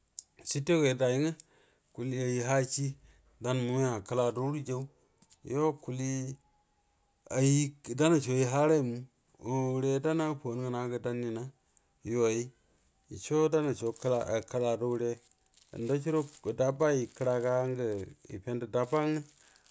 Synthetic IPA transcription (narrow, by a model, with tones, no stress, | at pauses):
si˦te˦ke˨˦da˨ji˦ŋə˦ | ku˨li˦a˨ji˨ɦa˦t͡ʃi˦ | da˦nmu˨˦a˨kə˦la˨do˦u˦ɾi˦d͡ʒe˦u˦ | jo˦ku˨li˦ | a˨ji˦da˦na˨t͡ʃo˨ji˦ɦa˦ɾe˦˨mu˦ | o˨wu˨ɾe˦da˦na˦po˨˦n˦ɡə˨na˨˦ɡə˨da˦nːi˨na˦ | jo˨˦a˨ji˦ | ḭ˨t͡ʃo˦da˦na˨t͡ʃo˨kla˨a˨ka˦la˨do˦wu˦ɾḛ˦˨ | nda˦t͡ʃi˦ɾo˦˨da˦ba˦ji˨kə˦ɾa˨ka˦ŋɡə˨ḭ˨pe˦ndə˨da˦ba˦ŋə˦